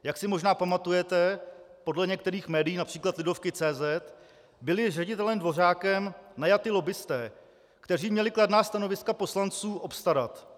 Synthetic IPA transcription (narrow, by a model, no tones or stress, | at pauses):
jaksɪmo̞ʒnaːpamat̪ujɛt̪ɛpo̞dlɛɲɛkt̪ɛɾiːxmɛːdɪjiːnapr̝̥iːklat̪lɪdo̞fkɪt͡sɛːzɛt̪ | bɪlɪrɛɟɪt̪ɛlɛmdvo̞r̝aːkɛmnajat̪ɪlo̞bɪst̪ɛː | kt̪ɛriːmɲɛlɪkladnaːst̪ano̞vɪskapo̞slant͡suːʔo̞pst̪aɾat̪